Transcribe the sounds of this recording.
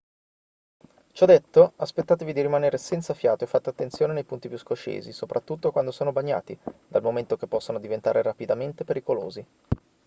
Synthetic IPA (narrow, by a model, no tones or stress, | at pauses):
t͡ʃɔd̪et̪ːoaspet̪ːaːt̪evid̪iɾimaneːɾesɛnt̪safjaːt̪oefːat̪ːoat̪ːent̪sjoːnenejpunt̪ipjuskot͡ʃḛːzisopɾʔat̪ːut̪ːokwand̪osoːnobaɲːa̰ːt̪id̪almoment̪okepːɔsːonod̪ivent̪a̰ːɾerapid̪ament̪epeɾikolo̰ːzi